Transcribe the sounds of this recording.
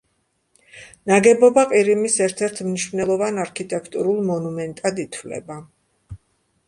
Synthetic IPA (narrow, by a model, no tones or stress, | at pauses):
naɡɛbɔbaqʼiɾimisɛɾt̪ʰɛɾt̪ʰmniʃvnɛlˠɔvanaɾkʰit̪ʼɛkʰt̪ʼuɾulˠmɔnumɛnt̪ʼad̪it̪ʰvlɛ̰ba